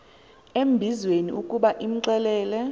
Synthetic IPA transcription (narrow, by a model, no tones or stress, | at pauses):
em̩bʱizwenḭukʼuɓaʔim̩ǀɛlɛːlɛ